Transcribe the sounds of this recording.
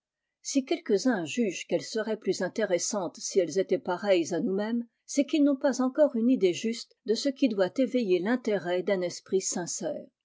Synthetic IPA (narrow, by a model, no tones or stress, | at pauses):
sikʲɛlkəzɛ̃ʒyʒkɛlsəʁɛplyzɛ̃t̪eʁɛsɑ̃t̪siɛlzet̪ɛpaʁɛjzanumɛm | sɛkilnɔ̃pazɑ̃kɔʁynid̪eʒyst̪d̪əsəkʲid̪wat̪evejelɛ̃t̪eʁɛd̪ɛ̃nɛspχisɛ̃sɛːʁ